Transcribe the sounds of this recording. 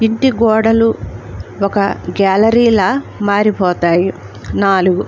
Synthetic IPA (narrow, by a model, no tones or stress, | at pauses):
iɳʈiɡɔːɽɐlu | ɔkɐɡaːlɐɾiːlɐmaːɾipɔːt̪aːji | naːluɡu